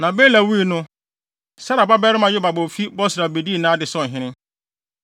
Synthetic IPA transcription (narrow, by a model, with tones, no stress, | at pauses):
nã˨beː˦læ˨wi˦i˦˨nʊ̃˦ | sa˦ɾa˨ba˦bɛ˦ɾɪ˦mã˨jɪ˦ba˨bo˨fi˦bɔ˦sɾa˨be˨di˦˨nã˦dɪ˨sɔ̃˦˨n˨ɦɪ̃˦nɪ̃˦